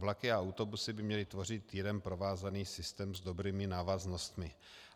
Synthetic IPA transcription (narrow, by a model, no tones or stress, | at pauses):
vlakɪaawt̪o̞busɪbɪmɲɛlɪt̪vo̞rɪt̪ːiɾɛmpɾo̞vaːzaniːsɪst̪ɛːmzd̪o̞bɾiːmɪnaːvazno̞st̪mɪ